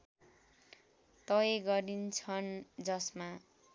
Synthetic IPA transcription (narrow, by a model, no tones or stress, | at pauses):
t̪ʌjeɡʌɾint͡sʰʌnd͡zʌsma